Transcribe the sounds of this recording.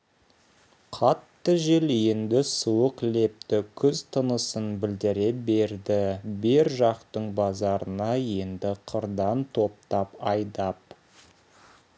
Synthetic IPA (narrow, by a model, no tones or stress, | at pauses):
qʰɑt̪ːəʒeljend̪ɪsuwəqle̞p̚t̪ɪkʲʰʏzt̪ʰənəsənbɪld̪ɪɾe̞be̞ɾd̪ɪbɪɾʒɑqt̪əɴbɑzɑɾənɑje̞nd̪ɪqʰəɾd̪ɑnt̪ʰo̞p̚t̪ɑpɑjd̪ɑp̚